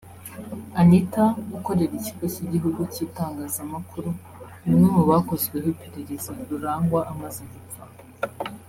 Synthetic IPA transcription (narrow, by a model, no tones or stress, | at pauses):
anitaɡuko̞ɾe̞ɾiciɡociɟiɦuɡuciːtaːŋɡaːzamakʰuɾu | unumewaːko̞zɡwehipiɾeɾezaɾuɾaːŋɡwaʔamaziɡufa